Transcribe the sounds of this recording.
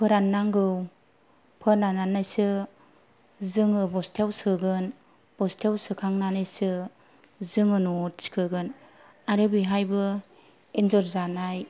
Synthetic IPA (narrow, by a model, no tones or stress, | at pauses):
pʰɯɾanːaŋɡɯw | pʰɯɾnananajsɯ | zɯŋɯbɔstʰewsɯɡɯn | b̥ɔstʰewsɯkʰaŋnanɯjsɯ | zɯŋɯnusi̥kʰɯɡɯn | aɾɯbiɦajbɯ | enzɔɾzanaj